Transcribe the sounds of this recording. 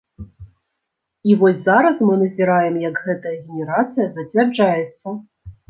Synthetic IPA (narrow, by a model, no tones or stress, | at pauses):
ivɔsʲzaɾɐsmɨnɐzʲɛɾajɛmjɐkɣɛt̪ɐjɐɣʲenʲɛɾat̪sɨjɐzɐt͡sʲvʲɛrd͡ʐajɛt̪sːɐ